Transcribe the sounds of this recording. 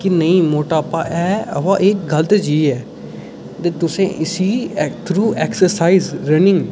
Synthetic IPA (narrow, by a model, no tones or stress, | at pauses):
kɪnəĩːmoːʈaːpːãːʔɛːə̰ʋãːʔeːk̚ɡəlt̪eːd͡ʒiːɛː | d̪eːt̪ʊsẽːʔɪsiːt̪ʰɾuːʔɛːksəɾsaːizɾənɪ̃ŋɡ